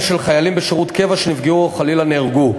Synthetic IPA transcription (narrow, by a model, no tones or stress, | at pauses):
ʃe̞lχajalimbeʃeʁut̪ke̞vaʃenivɡiuχalilaneːʁɡu